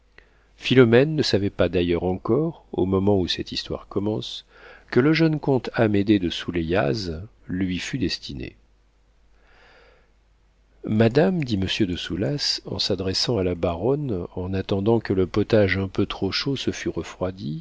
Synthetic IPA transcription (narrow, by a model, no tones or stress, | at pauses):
filɔmɛnːəsavɛpad̪ajœʁɑ̃kɔʁo̰mɔmɑ̃usɛt̪ist̪wa̰ʁkɔmɑ̃s | kələʒœnkɔ̃t̪amed̪ed̪əsuleja̰z | lɥifyd̪ɛst̪inḛ | mad̪amd̪iməsjød̪əsulasɑ̰̃sad̪ʁɛsɑ̃alabaʁɔnɑ̃nat̪ɑ̃d̪ɑ̃kələpɔt̪aʒɛ̃pøt̪χoʃosəfyʁəfχwad̪i